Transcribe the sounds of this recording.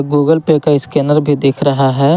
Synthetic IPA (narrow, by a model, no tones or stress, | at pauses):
ɡuːɡəlpeːkaɪskeːnəɾbʱid̪ɪːkʰɾɐɦaɦɛː